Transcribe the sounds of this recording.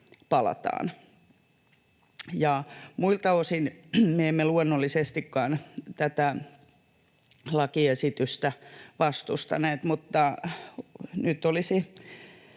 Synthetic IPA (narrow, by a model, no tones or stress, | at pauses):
pɑlɑ̰t̪ɑ̰ːn | jɑmuilt̪ɑosinmeemːeluonːolːisest̪ikːɑːnt̪æt̪æ | lɑkiesit̪yst̪æʋɑst̪ust̪ɑ̰neːt̪mut̪ːɑ | nyt̪ːˑolisi